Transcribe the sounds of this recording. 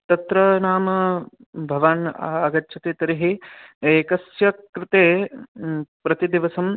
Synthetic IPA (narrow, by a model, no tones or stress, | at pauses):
t̪ɐt̪ɾɐnaːmɐ | bʱɐʋaːnaa̰ːɡɐtːt͡ʃʰɐt̪eːt̪ɐɾiɦieːkɐsjɐkɾɪt̪eː | pɾɐt̪id̪iʋɐsɐm